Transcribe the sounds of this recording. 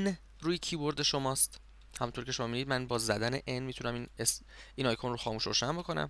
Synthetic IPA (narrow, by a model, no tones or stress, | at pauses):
n | ɾuːjecʰiːboɾd̪e̞ʃomɒːst̪ | hæmunt̪ʰoɾcʰe̞ʃoɒːmid̪iːd̪mænbɒːzæd̪æneʔenmiːt̪ʰunæmines | inɒːjkʰonroxɒːmuːʃɾoʃænbokʰo̞næ̰m